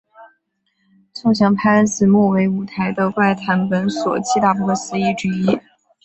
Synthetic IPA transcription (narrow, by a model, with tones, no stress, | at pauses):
sʰo˥˩ŋɕ̬jɑ˧˥ŋpʰa˥ə˥nsɹ̩˥˧mwɔ˥˩we˧˥ɪu˧˥t̪ʰa˧˥ɪd̪ə˧kwa˥˩ɪt̪ʰa˧˥npə˧˥nswɔ̰˨˩t͡ɕʰi˥t̪a˥˩pɔ˥˩˧sɹ̩˧˥i˥˩ʈ͡ʂɻ̩˥i˥